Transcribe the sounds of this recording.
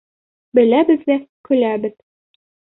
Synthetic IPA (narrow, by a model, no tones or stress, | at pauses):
bɘ̆læbɘ̆zd̪ækɵ̆læbɘð